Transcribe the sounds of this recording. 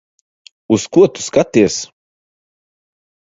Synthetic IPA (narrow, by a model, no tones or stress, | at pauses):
uskuɔt̪u̥skat̪iɛs